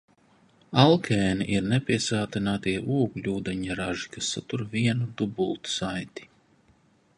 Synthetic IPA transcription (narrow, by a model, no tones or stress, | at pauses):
alˠkʰɛːniʔiɾnɛpʲiɛsaːt̪inaːt̪iɛʔuɔɡlʲuːd̪ɛɲaɾaʒi̥kasːat̪uɾviɛnud̪ubulˠt̪u̥sajt̪i̥